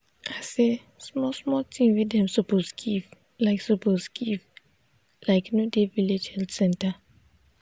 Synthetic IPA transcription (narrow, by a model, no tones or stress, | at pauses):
aɪse | smɔsmɔltʰĩnwidɛ̃msɔposɡiv | laɪksoposɡiv | laɪknodeviled͡ʒhɛltsɛ̃nta